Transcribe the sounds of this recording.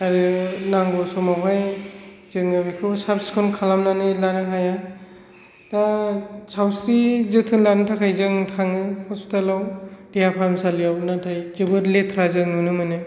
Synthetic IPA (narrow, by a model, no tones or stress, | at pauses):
aɾɯnaŋɡɔsɔmapʰaj | z̥ɯŋabikʰɯsapskʰɔnkʰalamnanɯlanɯɦaja | dasawsɾizɯtʰɯnlanɯtʰakʰajzɯŋtʰaŋɯkʰɔstalawd̥ijapʰamsalijawnatʰajd͡ʒɯbɯɾletʰɾazɯŋunɯmɯnɯ